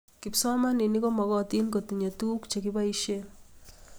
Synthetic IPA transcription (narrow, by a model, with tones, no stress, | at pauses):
kɪ˨psɔ˦ma˦ni˨ni˦kɔ˦mɔ˨kɔ˦˨t̪i˦nko˨t̪i˨ɲo˨t̪u˦kt͡ʃe˨kɪ˦ba˦i˦ʃe˦